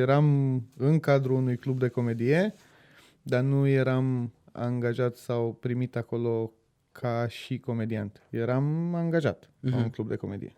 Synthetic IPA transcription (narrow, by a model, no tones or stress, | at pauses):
eɾamɨŋkad̪ɾuunujklubd̪e̞ko̞me̞d̪ie̞ | d̪anuje̞ɾama̰ŋɡaʒat̪sawpɾimit̪ako̞lo̞ | kʰaʃiko̞me̞d̪iant̪je̞ɾamaŋɡaʒa̰t̪unklubd̪e̞ko̞med̪ḭje